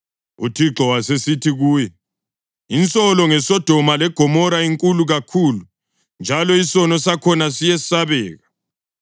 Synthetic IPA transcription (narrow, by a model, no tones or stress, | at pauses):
ṵtʰiɡ͡ǀʱɔwasesitʰiɣuːjɛ | int͡sʼɔlɔŋɛsɔd̥ʱɔmalɛɡ̥ʱɔmɔɾaiŋkʼuluɣakʰuːlu | nd͡ʒʱalɔisɔnɔsakʰɔnasijɛsaβɛːɣa